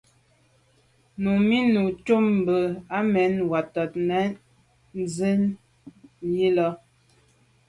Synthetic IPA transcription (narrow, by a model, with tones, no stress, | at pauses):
nu˨mi˦nu˨t͡ʃu˦mm˨bə˨a˦mɛ˨˦nwa˨tɔ˨t̚nɛ˨˦ | n˦zə˦n | ji˦lɔ˦